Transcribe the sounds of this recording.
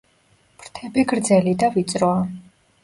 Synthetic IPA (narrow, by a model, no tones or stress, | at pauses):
pʰɾt̪ʰɛbiɡɾd̪zɛlid̪avit̪sʼɾɔa